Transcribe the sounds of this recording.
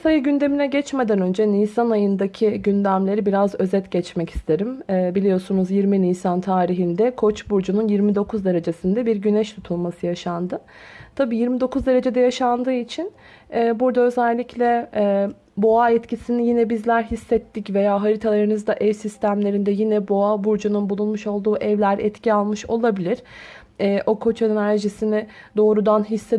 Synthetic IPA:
sajɯɟynd̪e̞minɛɟɛt͡ʃme̞d̪ænø̞nd͡ʒɛnijsanajɯnd̪acʰiɟynd̪æmlʲe̞ɾibiɾazø̞zɛt̪ɟɛt͡ʃmɛcʰi̥st̪ʰe̞ɾimɛːbilʲijo̞sunuzjiɾminijsant̪ʰaːɾiɦind̪ɛkʰo̞t͡ʃbuɾd͡ʒununjiɾmid̪o̞kʰuzd̪e̞ɾe̞d͡ʒe̞sind̪ɛbiɾɟynɛʃt̪ʰut̪ʰulˠmasɯjaʃand̪ɯ | t̪ʰabiːjiɾmid̪o̞kʰuzd̪e̞ɾe̞d͡ʒe̞d̪ɛjaʃand̪ɯːit͡ʃʰin | ɛːbuɾd̪aø̞zɛlʲːiclʲɛ | bo̞aɛt̪cʰisinijinɛbizlʲæɾɦisːɛt̪ːicve̞jaːɦaɾit̪ʰalˠaɾɯnɯzd̪aʔɛvsist̪ʰæmlʲe̞ɾind̪ɛjinɛbo̞abuɾd͡ʒununbulˠunmuʃo̞lˠd̪uːʔɛvlʲæɾɛt̪cʰialˠmɯʃo̞lˠabilʲiɾ̥ | ɛːʔo̞kʰo̞t͡ʃenæɾʒisinɪd̪o̞ːɾud̪anɦisːe

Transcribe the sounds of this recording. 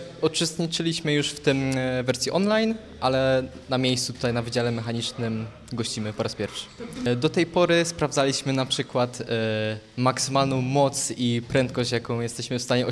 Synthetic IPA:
ɔt͡ʂɨst̪ɲit͡ʂɘlʲiɕmɘjuʂft̪ɘmvɛɾsʲjiʔɔnlajn | ʔalɛnamʲjejsut̪u̥t̪ajnavɘd͡ʑalɛmɛxaɲit͡ʂnɘm | ɡɔɕt͡ɕimɘpɔɾaspʲjɛɾfʂɘ̥d̪ɔt̪ɛjpɔɾɘspɾavd̪zalʲiɕmɘnapʂɘkwat̪ | maksɘmalnɔ̃w̃mɔt̪sipɾɛnt̪̚kɔɕt͡ɕjakɔ̃w̃jɛst̪ɛɕmɘfst̪aɲɛɔ

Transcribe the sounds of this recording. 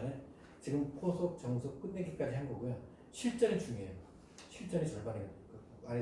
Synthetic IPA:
ne | t͡ɕiɡɯmkʰosʰok̚t͡ɕʌŋsʰok̚k͈ɯnːeɡik͈ad͡ʑiɦanɡʌɡujo | ɕʰiɭt͡ɕ͈ʌnɯt͡ɕuŋejo | ɕʰiɭt͡ɕ͈ʌnɯt͡ɕʌɭbanekɯ | aɾe

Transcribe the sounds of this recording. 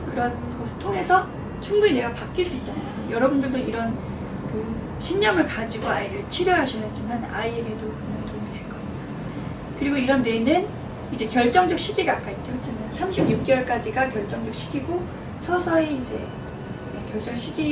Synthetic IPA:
kɯɾʌn | ɡʌsʰɯɭtʰoŋɦe̞sʰʌ | t͡ɕʰuŋbunine̞ɡapak͈iɭs͈uit̚t͈anɯ | jʌɾʌbundɯɭdoiɾʌn | kɯ | ɕʰinːʌmɯɭkad͡ʑiɡoaiɾɯɭt͡ɕʰiɾjoɦaɕʰinad͡ʑimana̰ieɡedokɯnʌntomidwe̞ɭk͈ʌida | kɯɾiɡoiɾʌnːenɯn | id͡ʑe̞kjʌɭt͡ɕ͈ʌŋd͡ʑʌk̚ɕʰidiɡak͈ait̚t͈ehot͡ɕʰanajosʰamɕʰibɲuk̚k͈ewʌɭk͈ad͡ʑiɡakjʌɭt͡ɕ͈ʌŋd͡ʑʌk̚ɕʰi̥kʰiɡo | sʰʌsʰʌeid͡ʑe̞ | ekjʌɭt͡ɕ͈ʌŋɕʰidi

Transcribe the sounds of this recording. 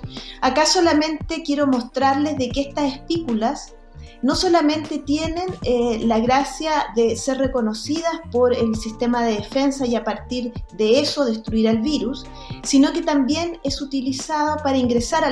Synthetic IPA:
akaso̞lamẽ̞nt̪e̞kje̞ɾo̞mo̞st̪ɾaɾle̞zðekeest̪asehpikulas | no̞so̞lamẽ̞nt̪e̞t̪je̞ne̞nlaɣɾasjaðeserre̞ko̞no̞sið̞aspo̞ɾelsist̪e̞maðeðefe̞nsajapaɾt̪iɾðeeso̞ðe̞st̪ɾuiɾalβiɾusː | ino̞ke̞t̪ambje̞ne̞sut̪ilisaðopaɾaiŋɡɾesaɾa

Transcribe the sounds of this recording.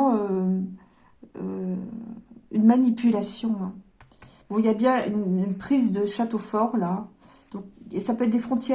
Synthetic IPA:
ø | ø̰ | ynmanipylasjɔ̃ | bɔ̃iljabjɛ̃ynynpχizd̪əʃat̪ofɔʁla | d̪̥ɔ̃k̚sapøɛt̪̚d̪efχɔ̃t̪jɛ

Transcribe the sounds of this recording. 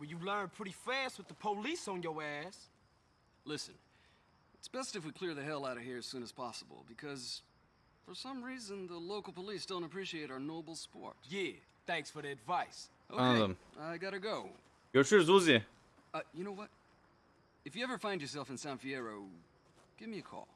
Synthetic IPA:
wɨljɨlɜ̃˞npʰɹ̥ɪɾifæst̚wɨðəpʰoʊlisn̩jəwɛz̥ | lɪsɨ̰̃n | ɨtsb̥ɛstɨfwikʰl̥ɪɹðɨɦɛlˠaʊɾʌv̥hiɹɨz̥sʉ̃nɨz̥pʰɑsəbl̩ˠbɨkʰʌz | fə˞sʌ̃mɹizɨ̃nðəloʊkl̩ˠpəlisd̥õʊ̃ntəpʰɹ̥iʃieɪɾaə˞noʊbl̩ˠspɔ̰ɹt̚jɛ | θæ̃ŋksfə˞ðiɨdvaɪs | ʔoʊə̃maɪɡɑɾɨɡoʊ | jə˞ʃʊɹzɔzɨ | ʌjɨñoʊwʌt̚ | ɨfjɨɛvə˞fãɪ̃nd͡ʒjə˞sɛlˠfɨ̃n̩sãʊ̃nfiɛɹoʊ | ɡ̥ɪvmiɨkʰɔ̰lˠ

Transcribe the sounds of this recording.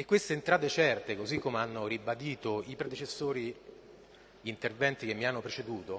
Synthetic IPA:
ekːwest̪eːnt̪ɾaːt̪et͡ʃɛrt̪ekozikʰːomeanːoɾibad̪iːt̪oipɾed̪et͡ʃesːoːɾi | ʎiːnt̪ervɛnt̪ik̟emːianːopɾet͡ʃed̪uːt̪o

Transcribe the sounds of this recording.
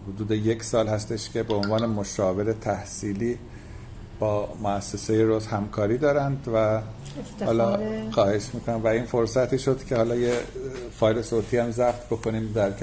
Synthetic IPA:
hod̪uːd̪e̞je̞cʰsɒːlhæst̪e̞ʃcʲʰe̞beonvɒːne̞moʃɒːve̞ɾet̪ʰæhsiːliː | b̥ɒːmoæsːe̞se̞jeɾozhæmkʰɒːɾiːd̪ɒːɾænd̪væ | hɒːlɒxɒːhe̞ʃmiːkʰonæmvæiːnfo̞ɾsæt̪ʰiːʃo̞d̪̥cʰe̞hɒːlɒːjefɒːjle̞soːt̪ʰiːæmzæft̪ʰbo̞kʰo̞niːmd̪æɾʰ

